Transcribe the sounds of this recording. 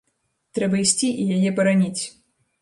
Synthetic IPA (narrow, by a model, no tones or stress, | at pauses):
t̪ɾɛbɐisʲt͡sʲiʔijajɛpɐɾanʲit͡sʲ